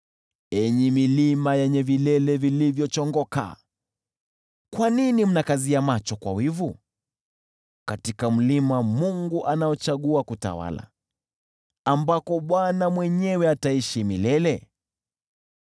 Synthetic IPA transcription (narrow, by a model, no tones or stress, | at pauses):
ɛɲimilimajɛɲɛvilɛlɛvilivjɔt͡ʃɔŋɡɔka̰ | kwaninim̩nakaziamat͡ʃɔkwa̰wivu | katikam̩limamuŋɡuʔanajɔt͡ʃaɠuakuta̰wa̰la̰ | ambakɔɓwanamwɛɲɛwɛataiʃimilɛlɛ